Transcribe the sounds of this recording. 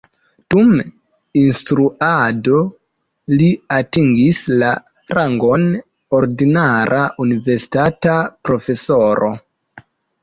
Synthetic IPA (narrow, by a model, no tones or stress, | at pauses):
d̥um | instɾuado̞ | liatiŋɡisla | ɾaŋɡon | oɾdinaɾʔaʔunive̞ɾsi̥tatapɾo̞fe̞so̞ɾo̞̰